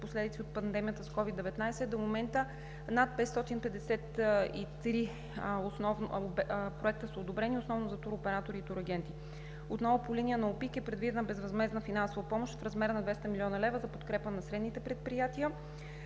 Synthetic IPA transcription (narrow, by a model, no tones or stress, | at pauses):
poslɛd̪it̪siot̪̚pɐnd̪ɛmijət̪əskɔvid̪ɛvɛt̪najsɛd̪omomɛnt̪ə | nat̪̚pɛt̪st̪ɔt̪inpɛd̪ɛsɛt̪ḭt̪ɾi | osnɔvnobpɾoɛk̚t̪əsəod̪obɾɛniʊsnɔvnozɐt̪uɾopɛɾat̪oɾiːt̪uɾɐɡ̟ɛnt̪i | ot̪nɔvʊpoliniənɐopikɛpɾɛd̪vid̪ɛnəbɛzvɐzmɛznəfinansovɐpɔmoʃt̪fɾɐzmɛɾənɐd̪vɛst̪ɐmilʲiɔnɐlɛvəzɐpot̪kɾɛpənɐsɾɛd̪nit̪ɛpɾɛt̪̚pɾijat̪iə